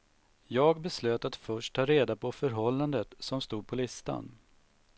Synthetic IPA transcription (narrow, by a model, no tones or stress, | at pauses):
jɑːɡbɛsløːt̪at̪fœʂʈ̚ʰːɑːɾeːd̪apʰɔfœɾɦɔlːand̪ət̪sɔmst̪uːd̪̚pʰɔlɪst̪a̰n